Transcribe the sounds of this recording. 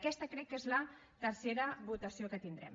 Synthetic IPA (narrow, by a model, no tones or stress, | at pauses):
kɛst̪əkɾɛkːezlə | t̪əɾseɾəβut̪əsiokət̪ind̪ɾɛ̰m